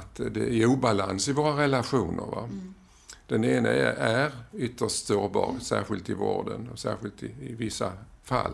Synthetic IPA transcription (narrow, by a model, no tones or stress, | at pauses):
t̪d̪ɛæuːbalansɪvoːɾaɾɛlaɧuːnʔə̰ɾva | d̪̥ɛneːnəæɾʏt̪ːəʂsoːɾbɑːɾsæːɧɪlt̪ɪvoːɖənɔsæːɾɧɪlt̪ɪɪvɪsːafalː